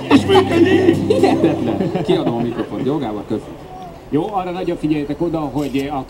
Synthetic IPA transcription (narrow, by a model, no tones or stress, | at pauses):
eʃmɛkønilɛt̪ɛt̪lɛnkiɒd̪ommikɾofo̞̰njoɡaːbɒkøzɛt̪ | joːɒrːɒnɒɟoɱfiɟɛjɛt̪ɛko̞d̪ɒɦo̞ɟɒ